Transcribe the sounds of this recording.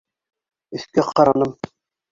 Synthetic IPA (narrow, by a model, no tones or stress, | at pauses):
ɵ̆θkæqɑɾɑnɤm